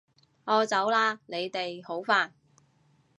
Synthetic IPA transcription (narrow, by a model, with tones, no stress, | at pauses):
ɔː˧t͡sɐ˨˥wlaː˧ne˨˧jt̪e˨jho˨˥wfaː˨n